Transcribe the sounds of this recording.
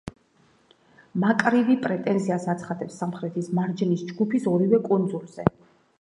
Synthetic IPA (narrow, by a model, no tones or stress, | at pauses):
makʼɾivipʼɾɛt̪ʼɛnziasat̪sʰχad̪ɛpsːamχɾɛt̪ʰismaɾd͡ʒɛnisd͡ʒɡupʰisɔɾivɛkʼund̪zulˠz̥ɛ